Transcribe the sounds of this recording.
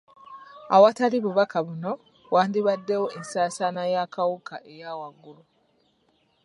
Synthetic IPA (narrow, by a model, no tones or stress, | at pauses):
a̰wataliβuβakaβuno̞ | waːndiβadːe̞woensaːsanajakawukaʔe̞jaːwaɡːulu